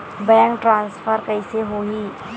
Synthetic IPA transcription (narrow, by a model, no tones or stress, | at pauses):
bɛ̃ːŋkʈɾãːnsfʰəɾkəɪseɦoːɦiː